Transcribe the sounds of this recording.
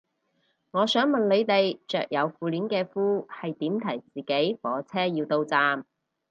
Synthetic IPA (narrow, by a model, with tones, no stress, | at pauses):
ŋɔː˨˧sœː˨˥ŋmɐ˨nle˨˧jt̪e˨jt͡ʃœː˨k̚jɐ˨˧wfuː˨liː˨˥nkɛː˧fuː˥hɐ˨jt̪iː˨˥mt̪ʰɐ˨˩jt͡siː˨ke˨˥jfɔː˨˥t͡sʰɛː˥jiː˧wt̪o˧wt͡saː˨m